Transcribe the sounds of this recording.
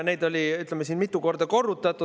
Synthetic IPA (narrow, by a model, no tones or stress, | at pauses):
ne̞jd̪o̞lʲiyt̪lemːesiːnmit̪ːˑuko̞rd̪̥ɑko̞rːut̪ːˑɑt̪ːˑu